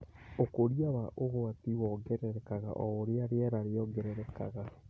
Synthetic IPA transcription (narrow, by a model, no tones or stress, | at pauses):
okoɾiawaʔoɣoatiwɔɡɛɾɛɾɛkaɣa̰ʔɔːɾeaɾeɛɾaɾeɔŋɡɛɾɛɾɛka̰ɣa